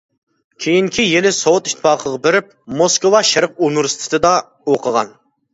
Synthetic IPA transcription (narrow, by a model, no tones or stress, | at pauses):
kʲʰejiŋkʲʰijelɪsowʊt̪i̥ʃt̪ʰːɪpɑːqʰəʁɑbɪɾɪp̚moskowɑʃɛɾp̚unuɾst̪ʰɪ̥t̪ʰɨd̪ɑ | oqʰəʁɑ̰n